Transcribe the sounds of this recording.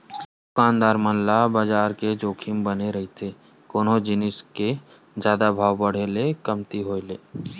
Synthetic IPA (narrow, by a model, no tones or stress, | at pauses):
kãːnd̪aːɾmənlabaːd͡ʒaːɾked͡ʒoːkʰimbəneɾɐɦit̪ʰe | koːnõd͡ʒɪnɪske | d͡ʒjaːd̪abʱaːʋbəɽ̤eːlekɐmt̪iɦoːeleː